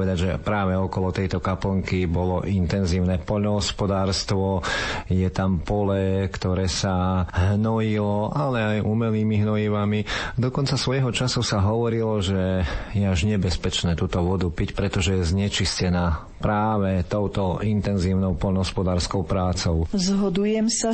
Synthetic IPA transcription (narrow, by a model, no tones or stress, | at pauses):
ʋɛd̪aɟʒɛpɾaːʋɛɔkɔlɔt̪ɛjt̪ɔkapɔŋkibɔlɔʔint̪ɛnziːʊnɛːpɔʎnɔɦɔspɔd̪aːɾst̪ʋɔjɛt̪ampɔlɛkt̪ɔɾɛːsaɦnɔjilɔʔalɛajʔumɛliːmiɦnɔjiʋamid̪ɔkɔnt͡sasʋɔjɦɔt͡ʃasusaɦɔʋɔɾilɔʒɛjɛaʒɲɛbɛspɛt͡ʃnɛːt̪uːt̪ɔʋɔd̪upicpɾɛt̪ɔʒɛjɛzɲɛt͡ʃiscɛnaː | pɾaːʋɛt̪ɔʊt̪ɔint̪ɛnziːʊnɔʊpɔʎnɔɦɔspɔd̪aːɾskɔʊpɾaːt͡sɔʊzɦɔd̪ujɛmsa